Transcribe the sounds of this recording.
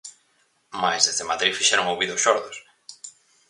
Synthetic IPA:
majzðezðemaðɾifiʃɛɾoŋowβiðoʊsʃɔɾðos

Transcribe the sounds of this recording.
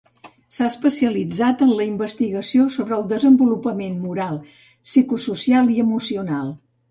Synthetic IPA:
saəspəsiəlid͡zat̪ənləimbəst̪iɣəsiosoβɾəːlˠd̪əzəmbulupəmenmuɾalˠ | sikususialˠiəmusiunalˠ

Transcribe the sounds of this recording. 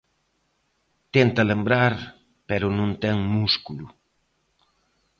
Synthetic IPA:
t̪ent̪ɐlembɾaɾ | pɛɾʊnũnt̪ɛŋmuskulu

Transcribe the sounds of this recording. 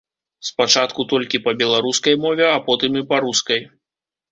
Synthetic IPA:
spat͡ʂat̪kut̪ɔlʲkʲipɐbʲɛlˠaɾuskɐjmɔvʲɛapɔt̪ɨmipaɾuskɐj

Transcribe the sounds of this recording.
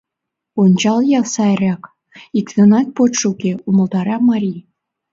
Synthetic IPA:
onʲt͡ɕɑlˠjɑlsɑɾʲɑk | ikt̪ɤ̆nɑt̪̚pot̪ʃukʲeumə̆ld̪ɑɾɑmɑɾʲij

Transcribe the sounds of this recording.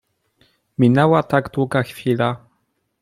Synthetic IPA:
mʲinɛwat̪aɡd̪wuɡaxfʲila

